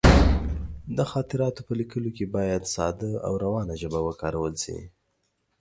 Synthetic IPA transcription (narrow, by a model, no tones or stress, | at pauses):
d̪əxɑt̪ɪɾɑt̪opəlikəlokebɑjad̪sɑ̰d̪əa̰wɾawɑnaʒəbawəkɑɾawəlsḭ